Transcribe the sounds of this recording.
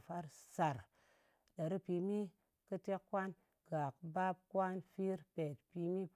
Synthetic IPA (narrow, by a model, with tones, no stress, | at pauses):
fa˦ɾsa˨ɾ | ɗa˨ɾi˦pi˧mi˦ | kɨ˦te˦kːwa˦n | ɡ̥a˨kba˦p̚kwʷa˦nfi˦ɾpe˨t̚pi˧mi˦